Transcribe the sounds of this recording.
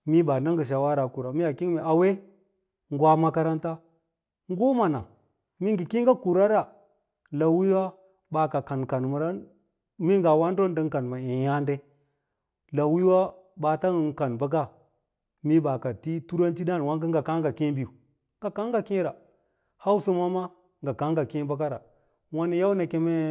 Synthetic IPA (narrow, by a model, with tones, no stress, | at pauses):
mi˦ba˨na˦ŋɡə˨ʃ̬a˨wa˦ɾa˨ku˨ɾa˨mi˦ja˨ki˦me˨a˨we˦ | ŋ˦ɡwa˦ma˦ka˦ɾa˦nta˦ | ŋ˦ɡo˦ma˨na˨ | mi˦ŋɡi˨ki˦ŋɡa˦ku˨ɾa˦ɾa˨ | la˨wi˦wa˦ | ba˨ka˨ka˨nka˨n˨ma˨ɾa˦ | mi˦ŋɡa˨wa˦n˦do˦n˦də˦ŋka˨nma˨e˨ja˦nde˦ | la˨wi˦wa˦ | ba˨ta˦˨ka˨nba˦ɡa˦ | mi˦ba˨ka˨ti˦tu˦ɾa˦nti˦da˦n˨wa˦ŋɡi˦ŋɡa˨ka˦ŋɡa˨ki˦bi˨ju˨ | ŋɡa˨ka˦ŋɡa˨ki˦ɾa˨ | ha˦wu˦su˦ma˦ma˦ | ŋɡa˨ka˦ŋɡa˨ki˦ba˦ɡa˦ɾa˨ | wa˦ni˦ja˦wna˨ke˦me˦